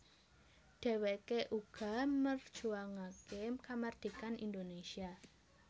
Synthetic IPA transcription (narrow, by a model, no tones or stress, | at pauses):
d̥ɛ̤wekeʔuɡ̥a̤mərd̥ʒ̥uaŋakemkamard̪̥i̤kanḭnd̪onesia